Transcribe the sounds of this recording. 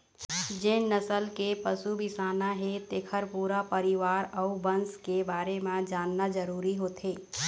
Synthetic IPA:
d͡ʒɪnnəsəlkepəsubɪsaːnaɦet̪eːkʰəɾpuːɾapəɾɪʋaːɾɔubə̃nskebaːɾemẽd͡ʒaːnːad͡ʒəɾuːɾiɦoːt̪ʰeː

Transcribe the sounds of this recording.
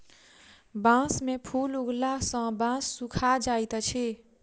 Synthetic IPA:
bãːsmẽpʰuːlʊɡlasə̃bãːsːukʰad͡ʒaːit̪ət͡ʃʰi

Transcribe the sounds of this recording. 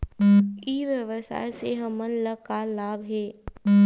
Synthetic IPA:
iːʋjəʋəsa̰ːjseɦɐmənləkalaːbɦeː

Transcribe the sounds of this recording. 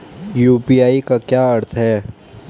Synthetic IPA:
juːpiːaːikakjaːɐɾt̪ʰɦɛː

